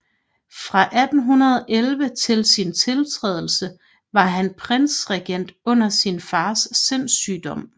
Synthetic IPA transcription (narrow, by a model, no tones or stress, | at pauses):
fʁɑ̈ʔæd̥n̩ɦunɐðˠɒʔelʋət͡sʰe̝lsint͡sʰe̝lt͡sʰʁɛ̰ːð̞ˠl̩sə | ʋɑ̈ɦænpʰʁen̰sʁɛɡ̥en̰d̥ɔ̽n̰ɐsinfɑ̈ːsːen̰syːd̥ɒ̽m̰